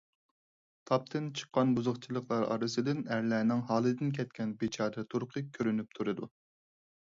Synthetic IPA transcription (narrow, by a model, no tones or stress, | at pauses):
t̪ʰɑp̚t̪ʰɨnt͡ʃʰə̥qːɑnbuzʊχt͡ʃʰilˠəqlˠɑɾɑ̰ːɾɨsɨd̪ɪnæɾlɛːnɪŋɦɑːlˠɨd̪ɨnkʲʰɛt̪̚kʲɛnbet͡ʃʰɑːɾɨt̪ʰuɾqʰɨkʲʰːøɾynyp̚t̪ʰuɾɨd̪u